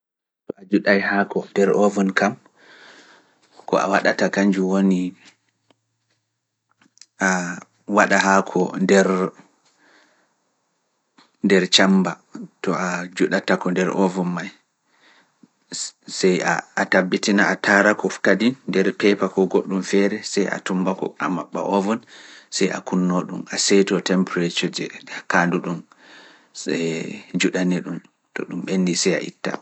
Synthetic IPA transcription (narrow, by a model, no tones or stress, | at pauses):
tɔad͡ʒuɗajhakɔndɛɾɔvɔnkam | kɔ̰ʔa̰waɗatakaɲd͡ʒuwoni | ʔa | waɗaɦakʰɔndɛɾ | ndɛɾt͡ʃamba | tɔad͡ʒuɗatakɔndɛɾʔɔvɔnːaj | sɛjaatabːitinaatʰaɾakɔfkadinːdɛɾpɛpakɔɡoɗːumfɛɾɛsɛja̰tumbakɔ̰a̰maɓːa̰ʔɔvɔnsɛja̰kunːoɗṵmasɛtɔtɛmpɾetɔd͡ʒɛkanduɗum | ɛd͡ʒuɗanɛɗum | tɔ̰ɗumɓenːisɛja̰ʔḭtːa̰